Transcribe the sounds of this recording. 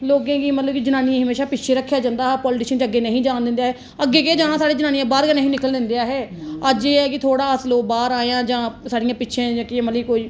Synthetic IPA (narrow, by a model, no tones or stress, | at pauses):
loːɡẽːɡiːmət̪ləbkid͡ʒənaːnijãːɦəmeːʃaːpɪtːʃʰeːɾəkʰːjaːd͡ʒãːnd̪aːɦɛːpɔːlɪʈiːʃənt͡ʃəɡːeːnəɦĩːd͡ʒaːnd̪ɪ̃nd̪aːɦɛː | əɡːeːked͡ʒãːãsaːɽeːd͡ʒənaːnijãːbaːɾkənəɦĩːnɪkəld̪ɪ̃nd̪ejaːɦɛːəd͡ʒeːɛːkɪt̪ʰoːɽaːəsloːbaːɾaːejãːd͡ʒãːsaːɽɪjãːpɪtːʃʰẽːd͡ʒãːkɪmət̪ləiːkoːiː